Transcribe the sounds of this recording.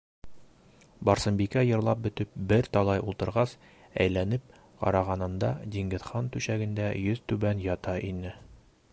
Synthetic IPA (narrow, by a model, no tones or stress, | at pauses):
bɒɾsɤ̆mbikæjɤ̆ɾlˠɑp̚bɵ̆t̪ɘp̚bɘɾt̪ɒlˠɑjulˠt̪ɤ̆ɾʁɑs | æ̰jlænɘp̚ | qɒ̰ɾɑʁɑnɤ̆nd̪ɑd̪iŋɡɘ̆ðχɑnt̪ʉɕæɡɘ̆nd̪æjɵz̥t̪ʉbænjɒt̪ɑʔinɘ